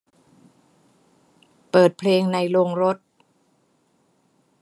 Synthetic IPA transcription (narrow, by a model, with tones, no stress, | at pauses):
pɤː˨˩t̪̚pʰleː˧ŋna˧jlo˧ŋɾo˦˥t̪̚